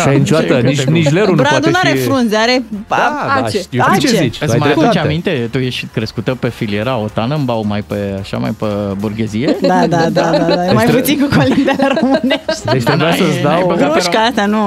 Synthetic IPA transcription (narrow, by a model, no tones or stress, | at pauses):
ajnit͡ʃoaəinit͡ʃleɾunbɾad̪unaɾefɾunzeaɾepaaat͡ʃeat͡ʃet͡ʃezit͡ʃɨsmaat͡ʃamint̪e̞t̪ujeʃkɾeskut̪əpefilieɾaot̪anəmbawmajpeaʃa̰ma̰jpəburɡezijed̪ad̪ad̪ad̪aamajput̪sinkukʰolind̪ealɾommɨneʃt̪enaajəsd̪awjɡɾuʃkaaʃt̪anu